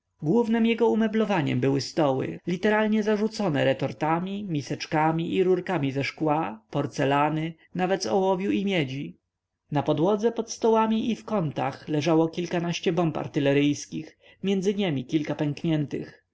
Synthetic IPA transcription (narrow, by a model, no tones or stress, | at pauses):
ɡwuvnɘmjɛɡɔumɛblɔvaɲɛ̰mbɘwɘst̪ɔwɘ̰lʲit̪ɛɾalɲɛzaʐut̪sɔnɛɾɛt̪ɔɾt̪amʲimʲisɛt͡ʂkamʲiʔiɾuɾkamʲizɛʂkwapɔɾt̪sɛlanɘ | navɛt̪zɔwɔvʲjuimʲjɛd͡ʑi | napɔd̪wɔd̪zɛpɔt̪st̪ɔwamʲiʔifkɔnt̪a̰xlɛʐawɔkʲilkanaɕt͡ɕɛbɔmpa̰ɾt̪ɘlɛɾɘjskʲix | mʲjɛnd̪zɘɲemʲikʲilkapɛŋkɲɛnt̪ɘ̰x